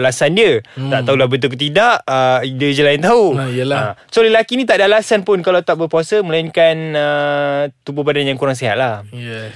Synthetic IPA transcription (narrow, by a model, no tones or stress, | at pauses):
lasandiət̪aʔt̪aulahbət̪̬uk̬ət̪̬idaʔədəd͡ʒəlaint̪auijəlaasoləlakinĩt̪aʔdalasanpʊnkalat̪aʔbərpuasəməlainkanət̪ububadanjaŋkuɾaŋs̬eɦat̪̚lahj